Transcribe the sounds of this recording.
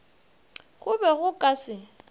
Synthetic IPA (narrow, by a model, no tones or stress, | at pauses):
ɣʊbɛɣʊkʼasɪ